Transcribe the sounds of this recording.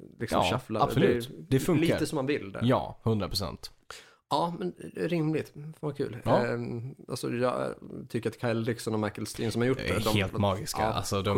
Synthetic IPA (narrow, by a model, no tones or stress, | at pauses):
lɪksm̰ːʃaflaasdlɛd̪ɛfɵŋliːaɾəsɔmːanvɪld̪ɛ̰jɑ̰ːhɵnd̪ɾapɾʊsɛ̰nt̪ | ɑːmɛnɾɪmlɪɡt̪fakʰʉ̟ːl | a̰lsɔ̰jɑ̰ːt̪ʰʏkːəɾat̪kʰaɪlɾɪksɔnɔmaɪkəlst̪iːnsɔmhaɾjʊʈːɛd̪ɔmheːlmɑːɡɪska̰a̰lsɔd̪ɔ